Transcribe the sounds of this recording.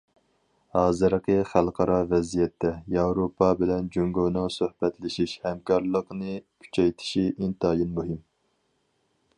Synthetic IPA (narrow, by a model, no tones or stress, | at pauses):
hɑːzɨɾəqəχælˠqʰɑɾʔɑvɛzijɛt̪ʰːɛjɑwɾopʰːɑbɪlɛnd͡ʒøŋɡonɨŋsøhbɛt̪lɪʃiʃhɛmkʰɑɾlˠəqnɨkʲʰy̥t͡ʃʰɛjt̪ʰɪ̥ʃiʔint̪ɑːjinmuɦim